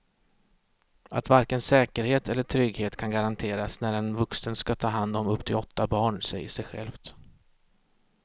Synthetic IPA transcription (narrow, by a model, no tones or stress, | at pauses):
at̪vaɾkənsɛːkəɾheːt̪ʰɛlːəʈʰɾʏɡheːt̪kʰanɡaɾant̪ʰeːɾasnæɖɛnvɵksənskat̪ʰɑːɦand̪ɔmɵpːt̪ʰɪlɔt̪ːabɑːɳsɛ̰jəsɛjɧɛ̰lft̪